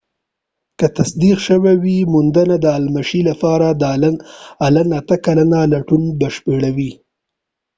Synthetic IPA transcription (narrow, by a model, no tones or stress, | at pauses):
kət̪asd̪iqʃəwawimʊnd̪anad̪əalmaʃilapɑɾad̪ | alanat̪əkalanalaʈunbaʃpeɽawi